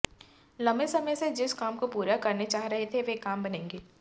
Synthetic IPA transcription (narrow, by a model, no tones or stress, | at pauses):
lɐ̃mbesɐməjsed͡ʒɪskaːmkopuːɾakɐɾnet͡ʃaːɦɾɐɦet̪ʰeʋekaːmbɐnẽːŋɡeː